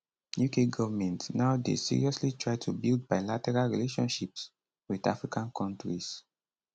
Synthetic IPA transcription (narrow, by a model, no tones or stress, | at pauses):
jukʰeɡɔvmɛ̃ntnaʊdḛsḭɹḭɔslitɹaɪtʰubild̚baɪlatɛɹalɹḭleʃɔ̃nʃips | wida̰fɹikãnkʰɔ̃ntɹis